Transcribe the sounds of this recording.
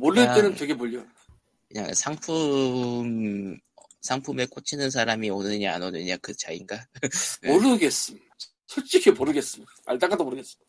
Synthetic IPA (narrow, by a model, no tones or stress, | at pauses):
moɾɯtenɯntweɡemoʎːo | kɯɲa̰ŋsʰaŋpʰum | sʰaŋpʰumeɭk͈ot͡ɕʰinɯns̬ʰaɾamionɯɲia̰nonɯɲakɯt͡ɕaiŋɡanemoɾɯɡe̞s͈ɯmida | sʰot͡ɕ͈ʰiɡʰemoɾɯɡe̞s͈ɯmidaa̰ɭt͈aŋadomoɾɯɡe̞s͈ɯmid̥a